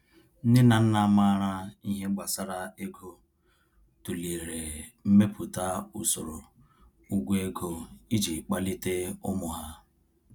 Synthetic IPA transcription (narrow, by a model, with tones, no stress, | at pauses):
n̩˦dɪ˦na˨n̩˦na˨˦ma˦ɾa˦i˦ɦe˦ɡ͡ba˨sa˦ɾa˨e˦ɡo˦ | tu˨li˨ɾe˨m̩˦me˦pu˨ta˦u˨so˨ɾo̰˨ | u˦ɡʷe˦ɡo˦i˦d͡ʒi˨k͡pa˦lɪ˦te˦ʊ˦mʊ˨ɦa˦